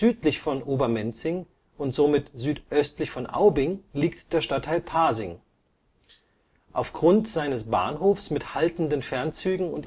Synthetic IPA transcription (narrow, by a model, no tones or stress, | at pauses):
zyːtlɪçfɔnʔoːbɐmɛnt͡sɪŋ | ʊntz̥omɪtz̥yːtʔœstlɪçfɔnʔa̰ʊbɪŋliːktd̥eːɐʃtatʰːaɪlpʰaːzɪŋ | ʔaʊfɡ̥ʁʊntz̥aɪnəsb̥a̰ːnɦoːfsmɪthaltn̩dənfɛɐnt͡syːɡŋ̩ʊnt